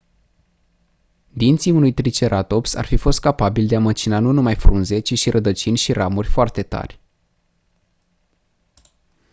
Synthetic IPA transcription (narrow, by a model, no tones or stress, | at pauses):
d̪int̪siunujt̪ɾit͡ʃe̞ɾat̪o̞psa̰rfifo̞st̪̚kapabild̪eamət͡ʃinanunumajfɾunze̞t͡ʃiʃiɾʔəd̪ət͡ʃinʲʃiɾamurʲfoart̪e̞t̪a̰rʲ